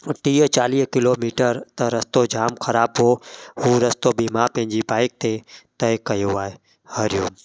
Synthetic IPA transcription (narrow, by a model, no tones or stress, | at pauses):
ʈiːət͡ʃaːliːkɪloːmiːʈəɾt̪ɐɾɐst̪od͡ʒaːmkʰəɾaːbɦoɦuːɾɐst̪obimapɐ̃ɦɪ̃d͡ʒibaːɪk̚t̪et̪ɐekɐjoaːe | həɾjuːm